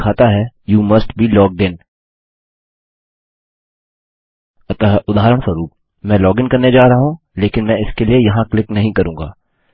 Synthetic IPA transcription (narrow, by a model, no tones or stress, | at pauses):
kʰaːt̪aɦɛjuːmɐsʈbʱiːlɔːɡ̚ɖɪ̃n | ɐt̪aɦɛʔʊd̪ʱaːɾəɽ̃swɐɾuːp̚ | mɛ̃ːlɔːɡɪnkɐɾned͡ʒaːɾɐɦaɦũ | leːkɪnmɛ̃ɪskeliejɐɦãklɪknɐɦĩkɐɾũːŋɡa̰ː